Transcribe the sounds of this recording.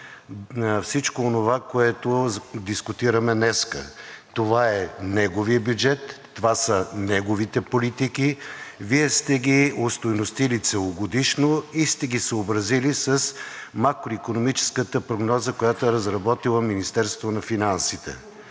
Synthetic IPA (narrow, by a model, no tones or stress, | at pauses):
fsit͡ʃkoːnovakoɛt̪od̪iskʊt̪iɾəmɛnɛskə̰t̪ovaɛnɛɡoviəbjud͡ʒɛt̪ːovasənɛɡovit̪ɛpolit̪ikiviɛst̪ɛɡiost̪ojnost̪ilit̪sɛlˠoɡod̪iʃnoist̪ɛɡisoobɾɐzilisəsmakɾoikonomit͡ʃɛ̥skət̪əpɾoɡnɔzəkojat̪oɛɾɐzɾɐbɔt̪ilˠəminist̪ɛɾst̪onɐfinansit̪ɛ̰